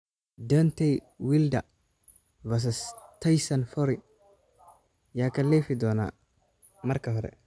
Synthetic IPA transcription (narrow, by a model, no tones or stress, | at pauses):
dɔnt̪ɛj | wilda | vas̬ɐst̪ʰajsɐnfɔɾi | jakɐlɛfid̪ɔːna̰ | mɐɾkɐɦɔɾɛ̰